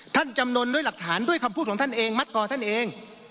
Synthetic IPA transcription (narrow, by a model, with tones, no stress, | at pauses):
t̪ʰa˥˩nt͡ɕa˧mno˧ndu˥˩jla˨˩k̚t̪ʰaː˩˦ndu˥˩əjkʰa˧mpʰuː˥˩ɔ˩˦˥t̪ʰa˥˩nʔeː˧ŋma˦˥t̪̚kʰɔː˧t̪ʰa˥˩nʔeː˧ŋ